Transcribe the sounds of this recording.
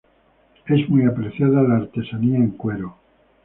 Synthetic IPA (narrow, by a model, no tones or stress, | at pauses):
e̞zmujapɾeθjaðalaːɾt̪e̞saniaeŋkwe̞ɾo